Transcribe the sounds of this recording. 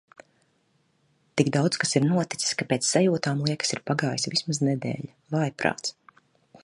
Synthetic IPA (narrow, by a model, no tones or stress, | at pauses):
t̪iɡd̪awt̪skasiɾnuɔt̪i̥t̪si̥sʲkapeːt̪ssajuːt̪aːmlˠiɛkḁsiɾpaɡaːjsvismaznɛd̪ḛːʎa | vajpɾa̰ːt̪s